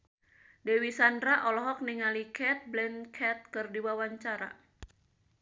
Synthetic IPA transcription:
dewisandɾaʔɔlɔɦɔk̚niŋalikɛt̪̚blɛnkʰɛt̪̚kɨrdiwawaɲt͡ʃaɾa̰

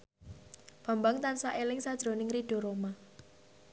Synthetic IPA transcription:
b̥a̤mbaŋt̪ansaʔelɪŋsad̥ʒ̥ɾo̤nɪŋriɖ̥o̤ɾoma

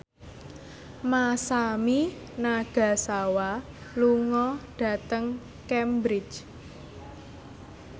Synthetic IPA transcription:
masami | naɡ̥a̤sawa | luŋɔɖ̥ä̤t̪əŋ | kɛmbɾɪt͡ʃ

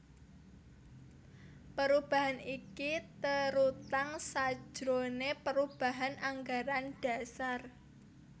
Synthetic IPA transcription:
pəɾub̥a̤ɦanikit̪əɾut̪aŋsḁd͡ʒʒ̥ɾonepəɾub̥a̤ɦanʔaŋɡaɾanɖ̥a̤sar

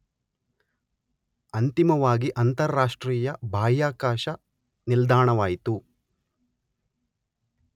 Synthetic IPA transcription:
ɐnt̪imɐʋaːɡiʔɐnt̪ɐɾːaːʂʈɾiːjɐbʱaːjaːkaːʃɐ | nild̪aːɳɐʋaːjit̪u

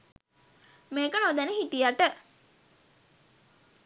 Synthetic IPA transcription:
meːkənod̪ænəhiʈijaʈə

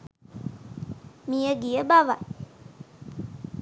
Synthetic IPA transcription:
mijəɡijəbaʋa

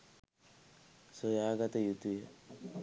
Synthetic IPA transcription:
sojaːɡɐt̪ɐjut̪ujɐ

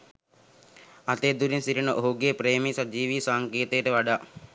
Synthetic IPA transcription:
at̪eːd̪uɾinsiɾinəʔoɦuɡepɾeːmisad͡ʒiːʋiːsaːŋkeːt̪əjːʈəʋaɖaː

